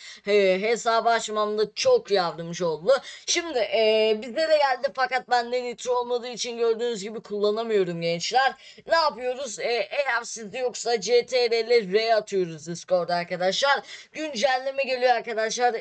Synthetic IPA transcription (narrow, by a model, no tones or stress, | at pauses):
ɛɦe̞saːbaʃmamd̪at͡ʃʰo̞kjavd̪ɯmd͡ʒɯo̞lˠd̪uʃimd̪ɪʔːbizlʲe̞ɾɛɟælʲd̪ifakat̪̚bænd̪ɛnit̪ʰɾo̞lˠmad̪ɯːit͡ʃʰinɟø̞ɾd̪yːnyzɟibikʰulˠːanamɯjo̞ɾumɟɛnt͡ʃlʲæɾ | naːpɯjo̞ɾuzɛːʔejæɾsizd̪ijo̞ksad͡ʒet̪ʰeɾelʲɛːejat̪ʰɯjo̞ɾuzisko̞ɾd̪aɾkad̪aʃlˠaɾ̥ɟynd͡ʒælʲːimɛɟe̞lʲijoaɾkad̪aʃlˠaɾ